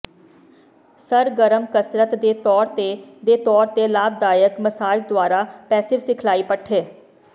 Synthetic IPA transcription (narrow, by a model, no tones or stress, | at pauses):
səɾɡəɾəmkəsɾət̪d̪eːt̪ɔːɾt̪ed̪eːt̪ɔːɾt̪eːlaːb̚d̪aːjəkməsaːd͡ʒd̪ʊwaːɾaːpɛːsɪʋsɪkʰlaːiːpəʈʰeː